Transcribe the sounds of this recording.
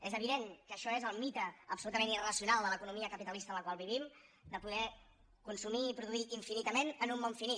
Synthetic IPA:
ezəβ̞iðeŋkəʃɔezəlˠmit̪əːpsulut̪əmẽnirəsiunalˠd̪ələkunumiəkəpit̪əlist̪ələkwalˠβiβ̞imd̪əpuðɛ | kunsumiːpɾuðuiiɱfinit̪əmenənumːoɱfini

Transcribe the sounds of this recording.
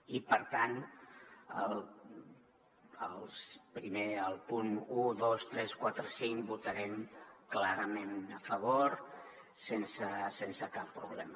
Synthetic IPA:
ipəɾt̪an | ə̰l | əlˠspɾimeəlˠpunuðost̪ɾɛskwat̪ɾəsiŋbut̪əɾɛmklaɾəmenəfəβ̞oɾ | sensəsensəkapːɾuβ̞lɛmə

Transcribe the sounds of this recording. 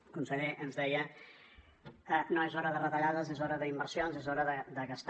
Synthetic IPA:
kunsəʎeʔənzðɛjə | ənoezɔɾəðərət̪əʎaðəzezɔɾəðəimbəɾsionzezɔɾəðəd̪əɣəst̪

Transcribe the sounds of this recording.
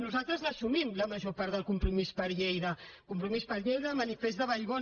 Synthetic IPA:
nuzalˠt̪ɾəzləsumimləməʒopaɾt̪ðəlˠkumpɾumispəɾʎejðəkumpɾumispəɾʎejðəmənifezðəβəjɣo

